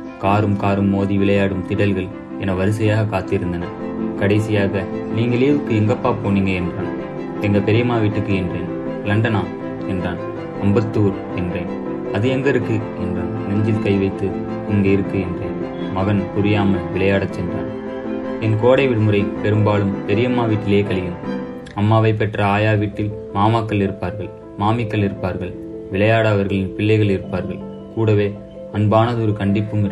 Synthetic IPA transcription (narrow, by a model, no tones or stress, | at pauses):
kaːɾɯmkaːɾɯmːoːðiʋɪɭɐjaːɽɯmt̪ɪɽɐlɣɐl | ɛnɐʋɐɾɯs̬ɐjaːɣɐkaːt̪ːɪɾɯnd̪ɐnɐ | kɐɽɐɪsɪjaːɣɐniːŋɡɐɭeʋɯkːɯɛŋɡɐpːaːpoːniːŋɡɐɛndraːn | ɛŋɡɐpɛɾɪjɐmaːʋɪʈːɯkːɯɛndreːn | lɐɳɖɐnaː | ɛndraːn | ɐmbɐt̪ːuːɾ | ɛndreːn | ɐðɯɛnd̪ɐɾɯkːɯ | ɛndraːnnɛɲd͡ʒɪlkɐɪʋɐɪt̪ːɯ | ɪŋɡeɪɾɯkːɯɛndrɐːn | mɐɣɐnpʊɾɪjaːmɐɭʋɪɭɐjaːɽɐt͡ʃːɛndra̰ːn | ɛnkoːɽɐɪʋɪɽɯmɯrɐɪpɛɾɯmbaːlɯmd̪ɛɾɪjɐmːaːʋiːʈːɪleːkɐɭɪjɯm | ɐmːaːʋɐɪp̬ːɛʈrɐaːjaːʋiːʈːɪlmaːmaːkːɐɭɪɾɯpːaːɾɣɐɭ | maːmɪkːɐɭɪɾɯpːaːɾɣɐɭ | ʋɪɭɐjaːɽɐɐʋɐɾɣɐɭɪnpɪɭːɐɪɣɐɭɪɾɯpːaːɾɣɐɭ | kuːɽɐʋeː | ɐnbaːnɐðɯɔɾɯkɐɳɖɪpːɯmɪɾ